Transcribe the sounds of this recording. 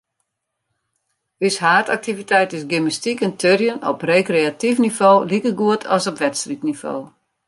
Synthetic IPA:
yshaːta̰k̚tivitɛjtɪsɡyməstikəntʰørjənɔ̰preːkreatifnivoːlikərɡuətʰɔsɔpʋɛtstritnivo̰ː

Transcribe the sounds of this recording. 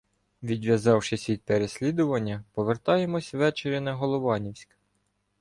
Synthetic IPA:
ʋʲid̪ʋʲjɐzɑwʃɪsʲʋʲid̪̚peɾesʲlʲid̪ʊʋɐnʲːɐpɔʋert̪ɑjemɔsʲʋɛt͡ʃeɾʲinɐɦɔlˠɔʋɑnʲiwsʲk

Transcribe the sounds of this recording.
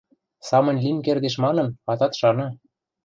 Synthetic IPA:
sɑmɤ̆nʲlʲinʲkerd̪eʃmɑnɤ̆nɑt̪ɑt̪ʃɑnɤ

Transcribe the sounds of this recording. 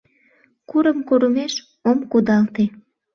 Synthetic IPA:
kuɾəmkoɾumeʃ | omkud̪ɑlt̪e

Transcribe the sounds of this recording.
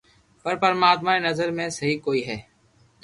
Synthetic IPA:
pəɾpəɾmaːt̪maːẽːnəzəɾmẽːsəɦiːkoːiːɦɛː

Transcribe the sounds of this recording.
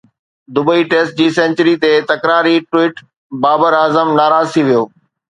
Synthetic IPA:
d̪ʊbəiʈeːsʈ̚d͡ʑiːsɛ̃nt͡ɕəɾit̪et̪ɐkɾaːɾiʈwiːʈ | baːbəɾaːzəmnaːɾaːzt̪ʰiʋijoː

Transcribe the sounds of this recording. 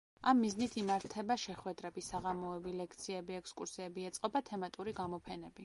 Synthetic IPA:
amːiznit̪ʰimaɾt̪ʰɛbaʃɛχwɛd̪ɾɛbisaʁamɔɛbilɛkʰt̪sʰiɛbiɛkskʼuɾsiɛbiɛt̪sʼqʼɔbat̪ʰɛmat̪ʼuɾiɡamɔpʰɛnɛbi

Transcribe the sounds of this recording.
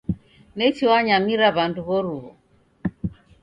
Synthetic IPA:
nɛt͡ʃiwaɲamiɾaβanduβɔɾuɦɔ

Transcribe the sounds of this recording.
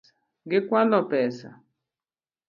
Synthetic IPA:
ɡɪkwalɔpɛsa̰

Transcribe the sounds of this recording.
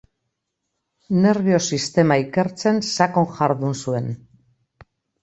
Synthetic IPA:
ne̞ɾβio̞sist̪e̞maike̞ɾt͡se̞nsako̞ŋxaɾðunsue̞n

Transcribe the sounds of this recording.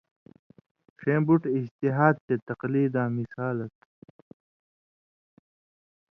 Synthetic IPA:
fẽːmbuʈid͡ʑt̪iɦaːd̪̚t̪et̪ɐqliːd̪ãːmisaːlɐt̪

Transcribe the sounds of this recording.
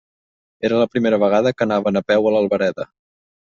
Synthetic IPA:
eɾələpɾimeɾəβəɣ̞aðəkənaβənəpɛwələlˠβəɾɛðə

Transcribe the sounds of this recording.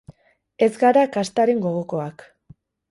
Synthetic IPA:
e̞zɡaɾakast̪aɾe̞ŋɡo̞ɣoko̞ak

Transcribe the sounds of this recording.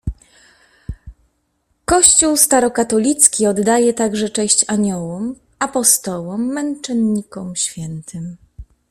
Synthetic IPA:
kɔɕt͡ɕuwst̪aɾɔkat̪ɔlʲit̪skʲiɔd̪ːajɛt̪aɡʐɛt͡ʂɛ̃ɕt͡ɕaɲɔwɔm | apɔst̪ɔwɔmːɛnt͡ʂɛnːikɔmɕfʲjɛnt̪ʰɘm

